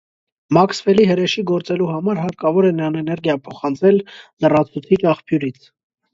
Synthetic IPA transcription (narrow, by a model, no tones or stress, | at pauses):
mɑksfɛliɦəɾɛʃiɡɔɾt͡sɛluɦɑmɑɾɦɑɾkɑvɔɾɛnɑnɛnɛɾɡjɑpʰɔχɑnt͡sʰɛlːərɑt͡sʰut͡sʰit͡ʃɑχpʰjuɾit͡sʰ